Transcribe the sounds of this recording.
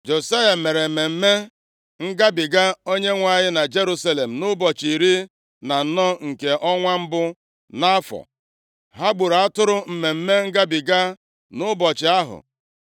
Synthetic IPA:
d͡ʒo˨sa˦ja˨me˨ɾe˨me˨m̩˦me˦ | ŋ̩˦ɡa˦bɪ˨ɡa˦o˦ɲe˦ŋʷa˦˨ɲɪ˦na˨d͡ʒe˦ɾu˦sa˦le˨m̩˨nʊ˦bɔ˨t͡ʃi˨ɾi˦ | na˨n̩˦nɔ˦ŋ̩˨ke˨ʔɔ˦ŋʷa˦m̩˦bʊ˦ | na˦fɔ̰˨ | ɦa˦ɡ͡bu˨ɾa˦tʊ˦ɾʊ˦m̩˨me˨m̩˦me˦ŋ̩˦ɡa˦bɪ˨ɡa˦ | nʊ˦bɔ˨t͡ʃɪ˨a˦ɦʊ̰˨

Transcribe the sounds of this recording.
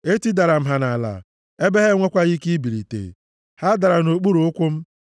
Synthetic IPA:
e˦ti˦da˨ɾa˨m̩˦ɦa˨na˨la̰˨ | e˦be˦ɦe˦ŋʷe˦kʷa˦ɣi˦ki˦bi˨ɾḭ˨tḛ˨ | ha˦da˨ɾa˨no˨k͡pu˦ɾu˨ʊ˦kʷʊ˦m̩˦

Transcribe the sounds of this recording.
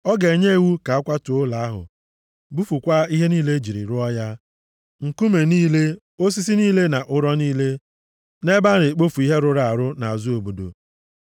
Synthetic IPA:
ɔ˦ɡe˨ɲe˦e˦˨wu˦ka˨a˦kʷa˦tʊ˨ʊ˦la˨a˦ɦʊ̰˨ | bu˦fu˨kʷa˦i˦ɦe˦niː˦le˦d͡ʒi˨ɾḭ˨ɾʊ˦ɔ˦ja˦ | ŋ̩˨ku˦me˨niː˦le˦ | o˦s̬i˦s̬i˦niː˦le˦na˨ʔʊ˦ɾɔ˦niː˦le˦ | ne˦ba˦ɾe˨k͡po˦fu˨i˦ɦe˦ɾʊ˨ɾa˨a˨ɾʊ˦na˨a˨zu˦o˨bo˨do̰˨

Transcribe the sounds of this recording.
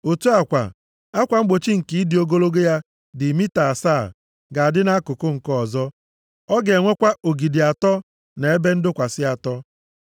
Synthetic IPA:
o˨tu˦a˨kʷa̰˨ | a˦kʷa˨ŋ͡m̩˦ɡ͡bo˨t͡ʃi˦ŋ̩˨ki˨˦i˦di˨o˦ɡo˦lo˦ɡe˦ja˦ | dɪ˨mi˦ta˨a˨sa˦˨ | ɡa˨a˨dɪ˦na˦kʊ˨kʊ˦ŋ̩˨kɔ˦˨zɔ˦ | ɔ˦ɡe˨ŋʷe˦kʷa˦o˨ɡi˨di˨a˨tɔ˦ | ne˨e˦be˦n̩˦dʊ˦kʷa˨sɪ˦a˨tɔ˦

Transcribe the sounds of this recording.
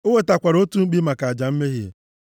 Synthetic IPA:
o˦we˦ta˨kʷa˨ɾo˦tu˦ŋ͡m̩˦k͡pi˦ma˨ka˨a˨d͡ʒa˨m̩˦me˦ɦi˦ḛ˨

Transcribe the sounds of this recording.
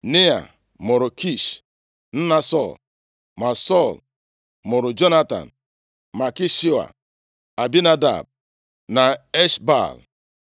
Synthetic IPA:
ne˦a̰˨ | mʊ˨ɾʊ˨kʰi˦˨ʃ | n̩˦na˨sɔ˦˨l | ma˨sɔ˦˨l | mʊ˨ɾʊ˨d͡ʒo˦na˦ta̰˨n̩ | ma˨ki˦ʃi˦wa̰˨ | a˨bi˦na˦da̰˨b̚ | na˨e˦ʃba̰˦˨l

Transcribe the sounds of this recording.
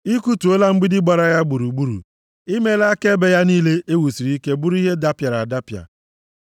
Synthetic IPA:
i˦ku˦tu˨o˦la˦ŋ͡m̩˦ɡ͡bɪ˦dɪ˦ɡ͡ba˨ɾa˦ja˦ɡ͡bu˨ɾu˨ɡ͡bu˦ɾṵ˨ | i˦me˦la˦ke˦be˨ja˦niː˦le˦ʔe˦wu˨si˨ɾi˦ke˦bu˦ɾu˦i˦ɦe˦da˦pja˨ɾa˨da˦pja̰˨

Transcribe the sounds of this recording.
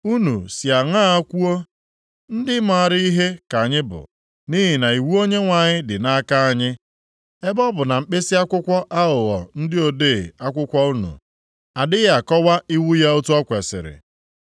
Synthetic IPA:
u˦nṵ˨si˨a˨ŋa˦˨a˦kʷu˦o˦ | n̩˦dɪ˦m˦˨a˨ɾɪ˦i˦ɦe˦ka˨a˨ɲɪ˦bʊ̰˨ | ni˦ɦi˨na˨i˨wu˦o˦ɲe˦ŋʷa˨ɲɪ˦dɪ˨na˦a˦ka˦a˨ɲɪ˦ | e˦bɔ˦bʊ˨na˨m̩˨k͡pe˦si˦a˦kʷʊ˦kʷɔ˦ʔa˦ʊ˨ɣɔ̰˨n̩˦dɪ˦o˨de˦˨a˦kʷʊ˦kʷɔ˦u˦nṵ˨ | a˨dɪ˦ja˨kɔ˦wa˦i˦wu˦ja˦o˦tu˦ɔ˦kʷe˨sɪ̰˨ɾɪ̰˨

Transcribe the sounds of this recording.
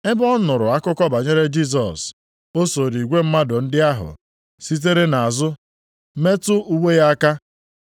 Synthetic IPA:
ɪ˦bɔ˦nʊ˨ɾʊ˨a˦kʊ˦kɔ˦ba˨ɲe˦ɾe˦d͡ʒi˦s̬ɔ˨s | o˦so˨ɾi˨ɡʷe˦m̩˦ma˦dʊ˨n̩˦dɪ˦a˦ɦʊ̰˨ | si˦t̬e˦ɾe˦na˨a˨zʊ˦ | me˦tʊ˦u˦wʷe˦ja˦ka˦

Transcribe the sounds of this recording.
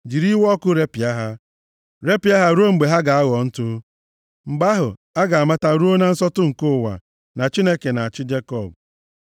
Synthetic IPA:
d͡ʒi˨ɾi˦wɔ˦kʊ˦ɾe˦pi˨a˦ɦa˦ | ɾe˦pi˨˦a˦ɦa˦ɾu˦o˦ŋ͡m̩˨ɡ͡be˨ɦa˦ɡa˨a˦ɣɔ˨n̩˦tʊ˦ | ŋ͡m̩˨ɡ͡ba˦ɦʊ˨ | a˦ɡa˨a˨ma˦ta˦ɾu˦o˦na˦n̩˦sɔ˦tʊ˦ŋ̩˨kʊ˦˨wa̰˨ | na˨t͡ʃi˦ne˦ke˨na˨a˨t͡ʃɪ˦d͡ʒe˦kɔ˦˨b

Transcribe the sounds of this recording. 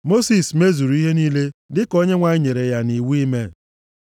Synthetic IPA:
mo˦si˨sme˦zu˨ɾu˨˦i˦ɦe˦niː˦le˦dɪ˦ko˦ɲe˦ŋʷa˨ɪ˦ɲe˨ɾe˨ja˦ni˨wu˦i˦me˦

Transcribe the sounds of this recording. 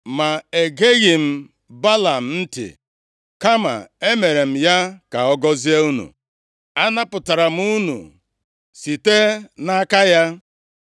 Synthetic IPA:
ma˨e˨ɡe˦ɣɪ˨m̩˦ | ba˦la˨m̩˨n̩˦tɪ̰˨ | ka˦ma̰˨e˦me˨ɾe˨m̩˨ja˦ka˨ɔ˦ɡɔ˦zi˦a˦u˦nṵ˨ | a˦na˦pʊ˨ta˨ɾa˨m̩˦u˦nṵ˨ | si˨te˦na˦ka˦ja˦

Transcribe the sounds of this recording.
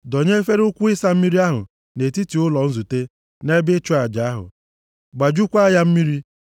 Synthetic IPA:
dɔ˨ɲe˦fe˦ɾʊ˦kʷʊ˦ɪ˦sa˦m̩˦mi˦ɾi˦a˦ɦʊ̰˨ | ne˨ti˦ti˨ʊ˦lɔ˨n̩˦zu˨te˦ | ne˦bɪ˦t͡ʃʊ˦a˨d͡ʒa˨a˦ɦʊ̰˨ | ɡ͡ba˨d͡ʒu˦kʷa˦ja˦m̩˦mi˦ɾi˦

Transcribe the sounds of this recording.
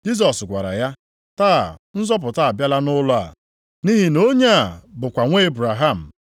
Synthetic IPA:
d͡ʒi˦s̬ɔ˨sɡʷa̰˨ɾa̰˨ja˦ | ta̰ː˦˨n̩˦zɔ˦p̬ʊ˨ta˦˨a˨bja˦la˦nʊ˦lʊ˦a̰˨ | ni˦ɦi˨no˦ɲa˦a˨bʊ˨kʷa˨ŋʷe˦e˦bɾa˨ɦa˦˨m̩˨

